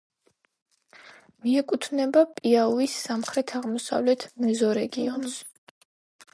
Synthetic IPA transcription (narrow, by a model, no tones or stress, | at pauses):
miɛkʼut̪ʰnɛbapʼiauisːamχɾɛt̪ʰaʁmɔsa̰vlɛt̪ʰmɛzɔɾɛɡiɔns